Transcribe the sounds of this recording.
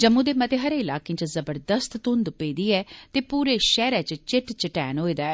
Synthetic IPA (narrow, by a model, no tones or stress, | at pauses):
d͡ʒəmũːd̪eːmət̪eːɦəɾeːɪlaːkẽːt͡ʃəzəbəɾd̪əst̪t̪ʊ̃nd̪peːd̪iːɛːt̪eːpuːɾeːʃɛːɾɛːt͡ʃt͡ʃɪʈt͡ʃəʈɛːnɦoːiːd̪aːɛː